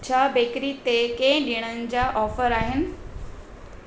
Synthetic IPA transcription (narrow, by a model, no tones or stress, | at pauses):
t͡ɕʰaːbeːkɾit̪ekẽɦɪ̃ɗiɽ̃ənɪ̆d͡ʑaːʔɔːfəɾaːɦɪnɪ̆